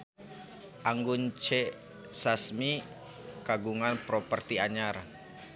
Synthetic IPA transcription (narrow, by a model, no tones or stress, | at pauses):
ʔaŋɡunt͡ʃɛ | sasmi | kaɡuŋanpɾɔpərt̪iaɲar